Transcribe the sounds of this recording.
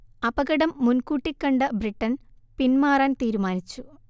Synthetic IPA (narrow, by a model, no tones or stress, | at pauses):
ɐbɐɣɐɽɐmːunkuːʈːikːɐɳɖɐbriʈːɐn | pinmaːraːnt̪iːɾumaːnit͡ɕːu